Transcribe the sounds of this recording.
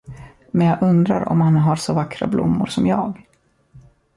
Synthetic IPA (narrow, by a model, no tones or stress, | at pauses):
mɛnjɑːʔɵnd̪ɾaɾɔ̰mhanɦaɾsɔvakːɾa̰blʊ̰mːʊɾsɔmjɑːɡ